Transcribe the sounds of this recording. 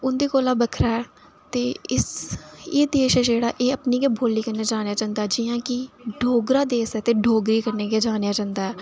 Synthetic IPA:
ʊnd̪iːkoːlaːbəkʰɾaːɛ | t̪eːɪseːd̪eːʃɛːd͡ʒeːɽaːʔeːəpniːkeːbʱoːliːkəɾneːd͡ʒaːnejaːd͡ʒãːnd̪aːɛd͡ʒɪjãːkɪɖʱoːɡɾaːd̪eːsɛːt̪eːɖʱoːɡɾiːkəɾneːkeːd͡ʒaːnjaːd͡ʒãːnd̪aːɦɛː

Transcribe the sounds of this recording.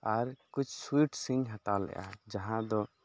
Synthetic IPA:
aɾkut͡ʃʰswiʈsiŋɦat̪alɛ̰ja̰d͡ʒaɦãd̪ɔ

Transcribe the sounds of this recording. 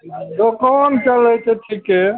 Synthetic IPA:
t̪okɔnt͡ʃələt͡ʃʰeʈʰike

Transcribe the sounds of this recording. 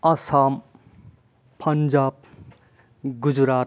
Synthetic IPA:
ɐsam | pʰʌnd͡ʒaːb̚ | ɡud͡ʒɾaː

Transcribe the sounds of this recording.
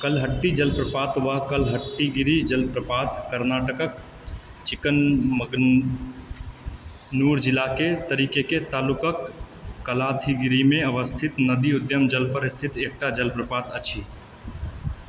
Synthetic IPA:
kəlɦəʈːid͡ʒəlpɾəpaːt̪ʋakəlɦəʈːiɡiɾid͡ʒəlpɾəpaːt̪kəɾnaːʈəkək | t͡ʃɪkənməɡ | nuɾd͡ʒɪlaket̪əɾiːkeket̪aːlʊkəkː | əlaːt̪ʰiɡɪɾimẽəʋəst̪ʰɪt̪nəd̪iʊd̪jəmd͡ʒəlpəɾɪst̪ʰɪt̪eːk̚ʈad͡ʒəlpɾəpaːt̪ət͡ʃʰi

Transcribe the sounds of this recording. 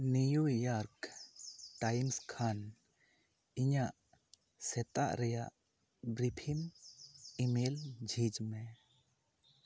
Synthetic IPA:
nujujɔɾk | ʈajmskʰan | iɲaʔ | sɛt̪a̰ʔɾɛjaʔ | bɾipʰin | imeld͡ʒʱid͡ʒmɛ

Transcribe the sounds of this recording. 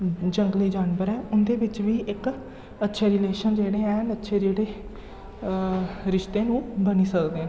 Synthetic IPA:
d͡ʒəŋɡliːd͡ʒaːnbəɾɛːʔʊnd̪eːbɪt͡ʃʋiːʔɪk | ətːʃʰeːɾɪleːʃənd͡ʒeːɽeːɛ̃ːɳətːʃʰeːd͡ʒeːɽeː | ɾɪʃt̪eːnũːbəniːsəkd̪eːɛ̃ː

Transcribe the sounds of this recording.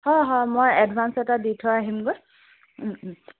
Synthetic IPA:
hɔjɦɔjmojɛdbʱansɛtaditʰɔaɦimɡo

